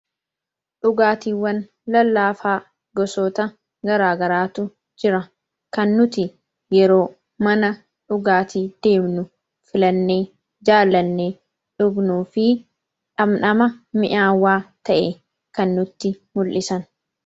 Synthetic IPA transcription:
ᶑʊɡaːt̪iːwːɐn | lɐlːaːfaː | ɡɔsɔt̪ɐ | ɡɐɾaːɡɐɾaːt̪ʊ | d͡ʒɪɾɐ | kɐnːʊt̪ɪ | jɛɾoː | mɐnɐ | ᶑʊɡaːt̪iːd̪̥e̞ːmnʊ | fɪlɐnːeː | d͡ʒaːlːɐnːeː | ᶑʊɡnuːfɪ | ᶑɐmnɐmɐmɪʔaːwːaːt̪ɐʔe | kɐnːʊt̪ːɪ | mʊlʔɪsɐn

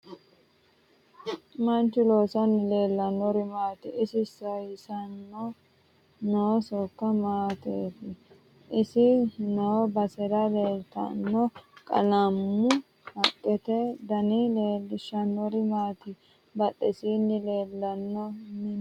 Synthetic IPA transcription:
mɐnt͡ʃːʊloːsɐnːɪle̞ːlːɐnːɔɾɪmaːt̪ɪɪsɪsɐjɪsɐnːɔ | nosɔkːɐmaːt̪eːt̪ɪ | ʔɪsɪnobɐsɛɾɐleːlt̪ɐ̰nːɔkʼɐ̰lɐmːʊ | hɐkʼːɛt̪ɛd̪ɐnileːlːɪʃɐnːɔɾɪmaːt̪ɪ | bɐt̪ʼːɛsiːnːɪle̞ːlːɐnːɔmɪn

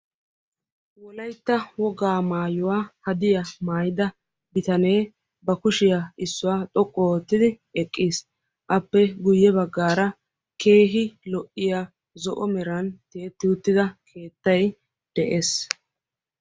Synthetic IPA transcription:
wɔlɐjt̪ːɐwɔɡaːmaːjʊwaːhɐd̪ɪjɐmaːjɪd̪ɐ | bɪt̪ɐne̞ː | bɐkʊʃɪjaɪsːʊwaːt̪ʼɔkʼːɔoːt̪ːɪd̪ɪ | ɛkʼːiːs | ʔɐpːɛɡʊjːɛbɐɡːaːɾɐ | kʰe̞ːɦɪlɔʔɪja | zɔʔɔmɛɾɐnt̪eːt̪ːɪʊt̪ːɪd̪ɐkʰe̞ːt̪ːɐj | d̪̥ɛʔeːs

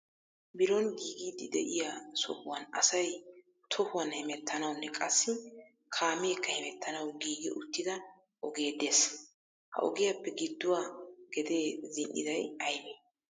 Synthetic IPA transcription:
bɪɾɔnɡiːɡiːd̪ːɪd̪ɛ̰ʔɪjasɔ̰hʊwɐnɐsɐj | t̪ʰɔhʊwɐnhɛmɛt̪ːɐnɐwʊnːɛkʼɐsːɪ | kʰaːmeːkːɐhɛmɛt̪ːɐnɐwɡiːɡɛ̰ʔʊt̪ːɪd̪ɐ | ʔɔɡe̞ːd̪eːs | hɐ̰ʔɔ̰ɡɪjapːɛɡɪd̪ːʊwaːɡ̥ɛd̪e̞ːzɪnʔɪ̰d̪ɐjɐjme

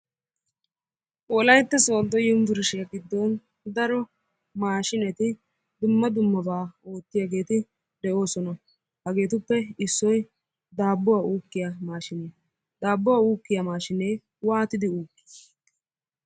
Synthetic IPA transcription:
ʔɔlɐjt̪ːɐsoːd̪ːɔjɪmvɪɾʃɪjaɡɪd̪ːɔn | d̪ɐɾɔ | maːʃɪnɛt̪ɪ | d̪ʊmːɐd̪ʊmːɐbaːo̞ːt̪ːɪjaːɡe̞ːt̪ɪ | d̪ɛʔo̞ːsɔnɐ | hɐɡe̞ːt̪ʊpːɛɪsːɔj | d̪aːbːɔwauːkːɪjamaːʃɪneː | d̪aːbːɔwauːkːɪjamaːʃɪneː | waːt̪ɪd̪ɪuːkːi̥

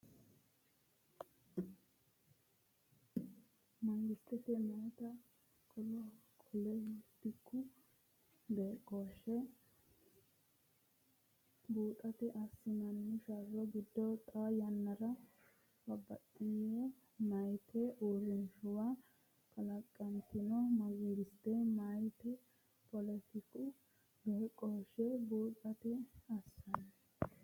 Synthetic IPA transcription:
mɐŋɡɪst̪ːɛt̪ɛmoːt̪ɐ | kʰʼɔlɔkʰʼɔlɛjɪt̪ːɪkːʊ | beːkʼːoːʃːɛ | buːt̪ʼɐt̪ɪʔɐsːɪmɐnːɪʃarɔɡɪd̪ːɔt̪ʼajɐnːɐɾɐ | bɐbːɐ̰t̪ʼːɪjɛ | mɐjt̪ʰɛʔuːɾɪnʃʊwa | kɐlɐkʼːɐnt̪ɪnɔmɐɡiːɡɪst̪ɛmɐjt̪ɛ | pɔlɛt̪ɪkʊ | beːkʼːoːʃɛbuːt̪ʼɐt̪ɛɐsːɐn

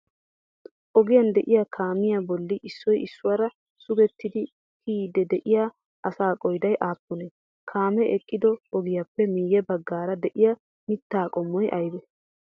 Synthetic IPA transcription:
ʔɔɡɪjɐnd̪ɛʔɪjakʰaːmɪjabɔlːɪʔɪsːɔjɪsːʊwaːɾɐ | sʊɡɛt̪ːɪd̪ɪ | kʰiːd̪ɛd̪ɛʔɪja | ʔɐsaːkʼɔjd̪ɐjʔaːpːʊne | kʰaːmɛʔɛkʼːɪd̪ɔɔɡɪjapːɛmiːjɛbɐɡːaːɾɐd̪ɛʔɪjɐ | mɪt̪ːaːkʼɔmːɔjʔɐjb̪ɛ

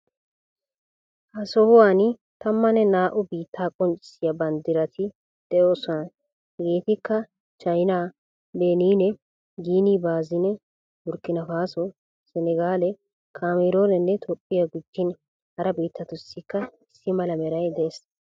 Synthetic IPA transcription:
ʔɐsɔhʊwaːnɪ | t̪ɐmːɐnɛnaːʔʊbiːt̪ʰːaːkʼɔnt͡ʃʼɪ̥sɪjɐbɐnd̪ɪɾɐt̪ʰɪ | d̪̥ɛjoːsɔnɐ | ɡeːt̪ɪkːɐ | t͡ʃɐjnaː | beːniːnɛ | ɡiːniːbaːzɪnɛ | wʊɾkːɪnɐfaːsɔ | sɛnɛɡaːlɛ | kʰaːmeɾo̞ːnɛnːɛt̪ʰɔpʼːɪjɐɡʊd͡ʒːɪn | hɐɾɐbiːt̪ːɐt̪ʊsːɪkːɐɪsːɪmɐlɐmɛɾɐjd̪es

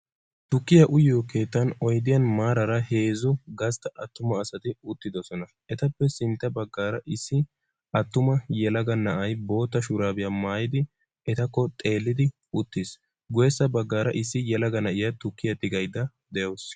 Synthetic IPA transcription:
t̪ʊkːɪjɐʔʊjoːke̞ːt̪ːɐnɔjd̪ɪjɐnmaːɾɐɾɐhe̞ːzɔɡɐst̪ɐʔɐt̪ːʊmɐːsɐt̪ɪʊt̪ːɪd̪ɔsɔnɐ | ʔɛt̪ɐpːɛsɪnt̪ːɐbɐɡːaːɾɐʔɪsːɪ | ɐt̪ːʊmɐjɛlɐɡɐnɐʔɐjbo̞ːt̪ːɐʃʊɾaːbɪjamaːjɪd̪ɪ | ɛt̪ɐkːɔt̪ʼe̞ːlːɪd̪ɪ | ʊt̪ːɪs | ɡʊjɛsːɐbɐɡːaːɾɐʔɪsːɪjɛlɐɡɐnɐʔɪjɐt̪ʊkːɪjɐt̪ɪɡɐjd̪ɐ | d̪ɛjoːs

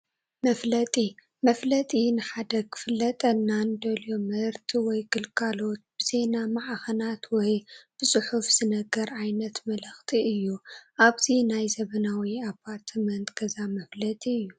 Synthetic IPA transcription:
mɐflɐt̪ʼi | mɐflɐt̪ʼinɨħad̪ɐkʰɨ̥fɨlːɐt̪ʼɐnːand̪ɐlomɨɾt̪ʰiwɔjkʰɨlkʰalo̞t̪̚b̥ɨze̞namaʕaxɐnat̪wɔjb̥ɨsʼɨħufz̥ɨnɐɡɐɾʕajnɐt̪mɐlɐxt̪ʰiɨjːuʔaβt̪ʰinajzɐβɐnawiapʰːaɾt̪ʰmɐnt̪ɡ̥ɐzamɐflɐt̪ʼiɨjːu

